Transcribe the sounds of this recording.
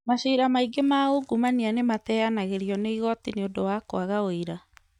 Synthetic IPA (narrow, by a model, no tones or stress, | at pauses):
maɕiːɾamaiɡemaoɡumanianematɛanaɣeɾiɔneiɣɔtineondowakoaɣaoiɾa